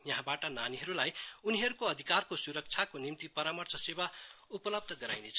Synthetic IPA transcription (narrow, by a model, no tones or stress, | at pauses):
jʌɦãbaʈʌnaniɦʌɾulajuniɦʌɾukoʌd̪ʱikarkosuɾʌk̚t͡sʰakonimt̪ipʌɾamʌrt͡sʰʌseβaupʌlʌb̚d̪ʱʌɡʌɾa̰jnet͡sʰʌ